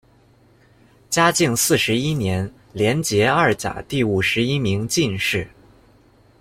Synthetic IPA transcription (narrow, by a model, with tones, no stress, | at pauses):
t͡ɕja˥t͡ɕi˥˧ŋsɹ̩˥˩ʂɻ̩˧˥i˥njɛ˧˥n | ljɛ˧˥nt͡ɕjɛ˧˥ɐ˞˥˩t͡sa̰˨˩t̪i˥˩u˨˩ʂɻ̩˧˥i˥mi˧˥ŋt͡ɕi˥˧nʂɻ̩˥˩